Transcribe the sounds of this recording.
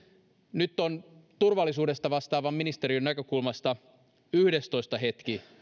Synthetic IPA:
nyt̪ːont̪urʋɑlːisuːde̞st̪ɑʋɑst̪ɑːʋɑmːinist̪eɾionːækøkulmɑst̪ɑ | yhde̞st̪o̞jst̪ɑɦe̞t̪k̟i

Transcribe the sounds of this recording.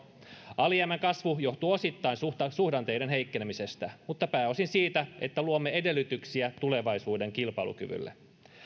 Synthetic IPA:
ɑliæmæŋkɑsʋujo̞ht̪uo̞sit̪ːɑinsuɑsuhdɑnt̪e̞idenɦeikːenemise̞st̪æmut̪ːɑpæːo̞sinsiːt̪æe̞̰t̪ːæluomːee̞de̞lːyt̪yksiæt̪ule̞ʋɑisuːde̞ŋkilpɑilṵky̰ʋy̰lːḛ

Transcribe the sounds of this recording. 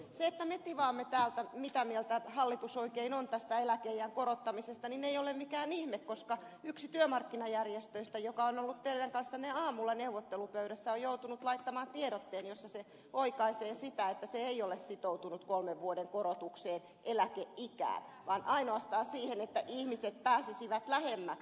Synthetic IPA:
seet̪ːæmet̪iʋɑːmːet̪æːlt̪æmit̪æmielt̪æhɑlːit̪usoikeinont̪æst̪æelækeijæŋkoɾot̪ːɑmisest̪ɑnineiolemmikæːnihmekkoskɑ | yksit̪yømɑrkːinɑjærjest̪øist̪æjokɑonolːut̪t̪eiræŋkɑnsːɑneɑːmulːɑneuʋot̪ːelupøyɾæsːæojjout̪unut̪lɑit̪ːɑmɑːnt̪ieɾot̪ːeːnjosːɑse | oikɑiseːsit̪æet̪ːæseeiolessit̪out̪unut̪kolmeʋʋuodeŋkoɾot̪ukseːn | ʔelækeʔikæ̰ːnʋɑːnʔɑinoɑst̪ɑːnsiːhenet̪ːæʔihmiset̪̚pæːsisiʋæt̪læhemːæk

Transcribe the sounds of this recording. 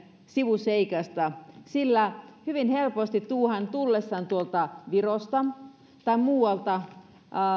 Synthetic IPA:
siʋuseikɑst̪ɑsilːæhyʋinhelpost̪it̪t̪uːhænt̪ulːesːɑnt̪uolt̪ɑʋirost̪ɑ | t̪ɑimuːwɑlt̪ɑ

